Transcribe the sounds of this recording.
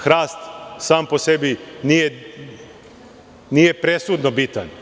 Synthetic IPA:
xɾaːst̪saːmposebinije | nijepɾesud̪nobit̪an

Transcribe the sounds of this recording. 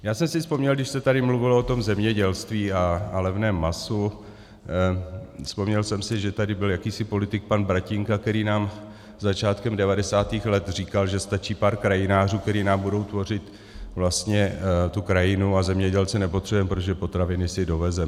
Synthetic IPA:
jaːsɛmsɪspo̞mɲɛlɡdɪʃsɛt̪adɪmluvɪloot̪o̞mzɛmɲɛɟɛlst̪viːalɛvnɛːmːasu | spo̞mɲɛlsɛmsɪʒɛt̪adɪbɪljakiːsɪpo̞lɪt̪ɪk̚panbɾacɪŋkakt̪ɛɾiːnaːm | zat͡ʃaːt̪kɛmdɛvadɛsaːt̪iːxlɛt̪r̝iːkalʒɛst̪at͡ʃiːpaːɾkɾajɪnaːr̝uːkt̪ɛɾiːnaːmbudo̞wt̪vo̞r̝ɪt̪ | vlast̪ɲɛt̪ukɾajɪnuazɛmɲɛɟɛlt͡sɪnɛpot̪r̥ɛbujɛmpɾot̪oʒɛpo̞t̪ɾavɪnɪsɪdo̞vɛzɛ

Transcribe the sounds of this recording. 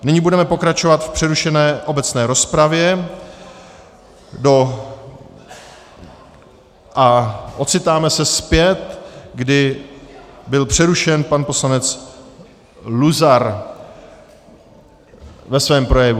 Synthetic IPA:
nɪɲibudɛmɛpo̞kɾat͡ʃo̞vat̪fpr̥ɛɾuʃɛnɛːʔo̞bɛt͡snɛːɾo̞spɾavjɛ | do | ʔaʔo̞t̪t͡sɪt̪aːmɛsɛspjɛt̪ɡdɪ | bɪlpr̝̥ɛɾuʃɛnpanpo̞slanɛt͡s | luzaɾ | vɛsvɛːmpɾo̞jɛvu

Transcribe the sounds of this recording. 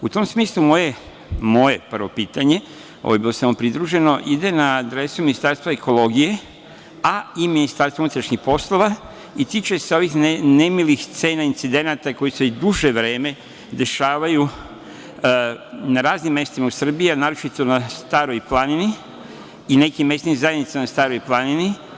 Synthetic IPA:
ut̪o̞msmiːslˠumoje | mo̞je̞pr̩ʋo̞piːt̪aɲe̞ | o̰ʋojebilo̞samopɾid̪ɾuʒe̞no̞ʔid̪e̞naːd̪ɾe̞suminist̪aɾst̪ʋaeko̞lo̞ɡije̞ | aiminist̪aɾst̪ounut̪ɾaʃɲixpo̞slˠo̞ʋa | it̪it͡ʃaseo̞ʋixnnemilixt̪se̞ːnaint̪sid̪e̞nat̪ako̞jised̪uʒe̞ʋɾe̞ːme̞ | d̪e̞ʃaːʋaju | naɾaːznimːje̞st̪imausr̩bianaːɾot͡ʃit̪o̞nast̪aːɾo̞jplanini | ine̞kimje̞st̪nizajed̪nit̪saanast̪aːɾo̞jplˠanini

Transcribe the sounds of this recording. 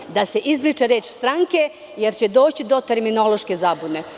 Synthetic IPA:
d̪ase̞ʔizbɾit͡ʃeɾeːt͡ʃst̪ɾaŋke̞ | jeɾt͡ɕe̞d̪o̞ːt͡ɕid̪o̞t̪e̞ɾmino̞loʃke̞zaːbune̞

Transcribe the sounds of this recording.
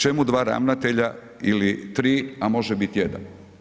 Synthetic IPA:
t͡ʃe̞mud̪ʋaːɾa̰ʋnat̪e̞ʎa | ilit̪ɾiːamo̞ʒɛbit̪jed̪a̰n

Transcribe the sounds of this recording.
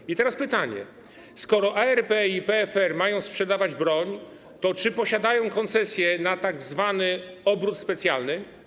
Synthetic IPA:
it̪ɛɾaspɘt̪aɲɛ̰ | skɔɾɔʔaɛɾpɛipɛɛfɛɾmajɔ̃w̃spʂɛd̪avad͡ʑbɾɔɲ | t̪ɔt͡ʂɘpɔɕad̪ajɔ̃w̃kɔnt̪sɛsʲjɛnat̪aɡzvanɘɔbɾut̪spɛt̪sʲjalnɘ

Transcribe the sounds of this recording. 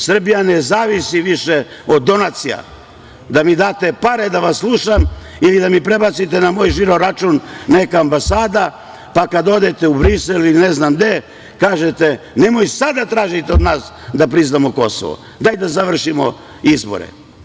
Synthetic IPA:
sr̩bijane̞zaːʋisiʋiʃe | o̞d̪ːo̞nat̪sija̰ | d̪amid̪aːt̪e̞paɾe̞d̪aʋasslˠuːʃam | ilid̪amipɾe̞bat̪sit̪enamoːjʒiɾoɾat͡ʃuːnːe̞kaːmbasaːd̪a | pakad̪o̞d̪e̞t̪e̞ubɾiselilneznamd̪e̞ | kaːʒet̪e | ne̞mojsad̪at̪ɾaːʒit̪eod̪naːs | d̪apɾiznamoko̞so̰ʋo̰ | d̪ajd̪azaʋr̩ʃimo̰ | izbo̰ɾḛ

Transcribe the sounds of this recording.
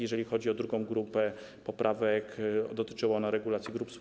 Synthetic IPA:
jɛʐɛlʲixɔd͡ʑiɔd̪ɾuɡɔ̃w̃ɡɾupɛ | pɔpɾʔavɛkd̪ɔt̪ɘ̥t͡ʂɘwaɔnaɾɛɡulat̪sjiɡɾups

